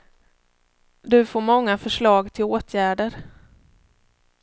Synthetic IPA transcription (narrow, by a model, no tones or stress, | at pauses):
d̪ɵfoːɾmɔŋːafœʂɭɑːɡt̪ʰɪloːt̪ʰjæːɖəɾ